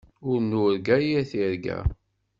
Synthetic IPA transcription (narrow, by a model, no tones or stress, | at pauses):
ʊɾnuɾɡæjiθiɾɡæ̰